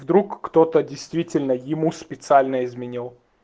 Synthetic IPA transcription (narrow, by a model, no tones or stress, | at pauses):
vd̪ɾukːt̪ot̪ədʲɪjst̪vʲitʲɪlʲnəjɪmuspʲɪt̪sɨalʲnəɪzmʲɪnʲilˠ